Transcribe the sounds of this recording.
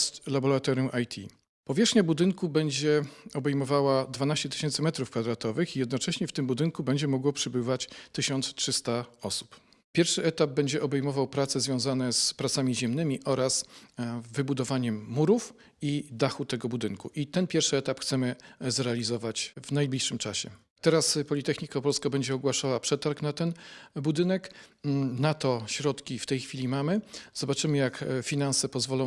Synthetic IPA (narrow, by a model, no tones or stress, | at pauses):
st̪labɔɾat̪ɔɾjũʔajt̪ʲʰḭ | pɔvʲjɛʂxɲabud̪ɘŋkubɛɲd͡ʑɛɔbɛjmɔvawad̪vanaɕt͡ɕɛt̪ɘ̥ɕɛnt̪sɘmɛt̪ɾufkfad̪ɾat̪ɔvɘxijɛd̪nɔt͡ʂɛɕɲɛft̪ɘmbud̪ɘŋkubɛɲd͡ʑɛmɔɡwɔpʂɛbɘvat͡ɕt̪ɘɕɔnt̪stʂɘst̪aɔsu̥p | pʲjɛɾfʂɘɛt̪ab̚bɛɲd͡ʑɛʔɔbɛjmɔvawpɾat̪sɛzvʲjɔ̃w̃zanɛspɾat̪samʲiʑɛmnɘmʲiʔɔɾas | vɘbud̪ɔvaɲɛmːuɾuf | id̪axut̪ɛɡɔbud̪ɘŋkuʔit̪ɛnpʲjɛɾfʂɘɛt̪apxt̪sɛmɘzɾɛalʲizɔvat͡ɕvnajblʲiʂɘmt͡ʂaɕɛ | t̪ɛɾaspɔlʲit̪ɛxɲikapɔlskabɛɲd͡ʑɛɔɡwaʂawapʂɛt̪aɾknat̪ɛnbud̪ɘnɛk | nat̪ɔɕɾɔt̪kʲift̪ɛjxfʲilʲimamɘz̥ɔbat͡ʂɘmɘjakfʲinansɛpɔzvɔlɔ̃w̃